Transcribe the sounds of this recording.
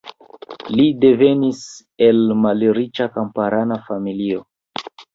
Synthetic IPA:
lide̞ve̞nis | e̞lmalɾit͡ʃakampaɾanafamilio

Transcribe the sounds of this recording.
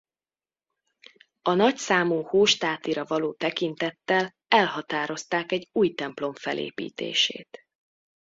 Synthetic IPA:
ɒnɒcsaːmuːhoːʃt̪aːt̪iɾɒvɒloːt̪ɛkint̪ɛt̪ːɛl | ɛlhɒt̪aːɾo̞st̪aːkɛɟuːjt̪ɛmplo̞ɱfɛlʔḛːpḭːt̪ḛːʃḛːt̪

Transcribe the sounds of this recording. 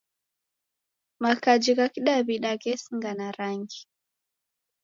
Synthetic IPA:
makad͡ʒikakiɗaβiɗakɛsiŋɡanaɾaŋɡi

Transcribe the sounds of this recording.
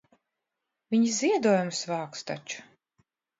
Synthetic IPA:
vʲiɲiziɛd̪uɔjumsvaːkst̪a̰t͡ʃu̥

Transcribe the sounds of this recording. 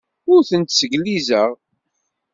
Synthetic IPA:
ʊɾθənt̪səɡlizəʁ

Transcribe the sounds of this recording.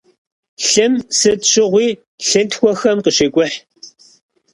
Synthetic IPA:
ɬɨmsɨtɕɪʁʷiː | ɬɨntxʷɔxɐmqəɕeːkʷʼʊħ

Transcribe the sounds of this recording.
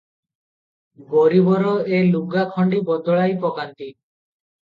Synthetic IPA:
ɡɔɾibɔɾɔeluɡakʰɔɳɖibɔd̪ɔɭajpɔkant̪i

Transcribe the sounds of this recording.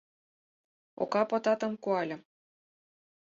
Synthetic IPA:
o̰kɑpɤ̆t̪ɑt̪ɤ̆mkuɑlʲɤ̆

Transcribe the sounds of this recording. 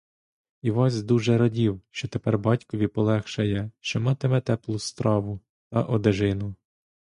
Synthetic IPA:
iʋɑsʲd̪uʒɛɾɔdʲiwʃt͡ʃɔt̪epɛrbɑtʲkɔʋʲipɔlˠɛxʃɐjɛʃt͡ʃemɑt̪emɛt̪ɛplˠʊst̪ɾɑʋʊ | t̪ɐʔɔd̪eʒɪnʊ

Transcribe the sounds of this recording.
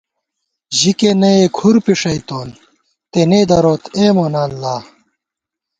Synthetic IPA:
ʑikenɐeːkʰuɾpiʂɐit̪oːn | t̪eneːd̪ɐɾoːt̪ʰeːmonaːllaː

